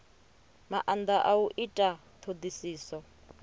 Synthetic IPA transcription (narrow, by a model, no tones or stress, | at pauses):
maʔand̪aʔauʔitʼa | t̪ʰod̪isiːsɔ